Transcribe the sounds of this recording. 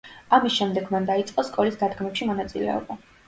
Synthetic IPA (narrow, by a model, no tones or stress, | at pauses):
amisʃɛmd̪ɛɡmand̪ait̪sʼqʼɔskʼɔlisd̪ad̪ɡmɛpʃimɔnat̪sʼilɛ̰ɔ̰ba